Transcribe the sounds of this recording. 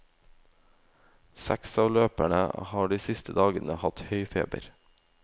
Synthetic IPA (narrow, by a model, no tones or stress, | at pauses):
sæksɑːʋløːpæɳə̰hɑːɖiːsɪst̪ʰəd̪ɑːɡənəhɑt̪hœʏfḛːbə̰ɾ